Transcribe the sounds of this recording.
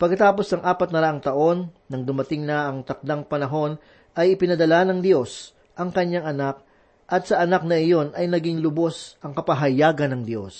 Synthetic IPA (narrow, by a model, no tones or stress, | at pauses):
pɐɡkːɐt̪aːpo̞snɐŋʔaːpɐt̪nɐɾɐʔaŋt̪ɐʔo̞nːɐŋd̪ʊmɐt̪ɪŋnɐʔɐŋt̪ɐk̚d̪aŋpɐnɐɦo̞n | ʔɐjɪpɪnɐd̪ɐlanɐŋd̪jo̞s | ʔɐŋkɐɲːaŋɐnak̚ | ʔɐt̪̚sɐʔɐnak̚nɐɪjo̞nʔɐjnɐɡiŋlʊbo̞sʔɐŋkɐpɐɦɐjaːɡɐnɐŋd̪jo̞̰s